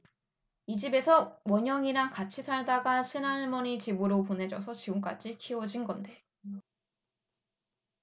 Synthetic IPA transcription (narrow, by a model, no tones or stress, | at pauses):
id͡ʑibe̞sʰʌmʌɲʌŋiɾankat͡ɕʰisʰaɭdaɡasʰenaɭmʌɲit͡ɕibɯɾopone̞d͡ʑʌsʰʌt͡ɕiɡuŋk͈a̰d͡ʑikʰiwʌd͡ʑinɡʌnde̞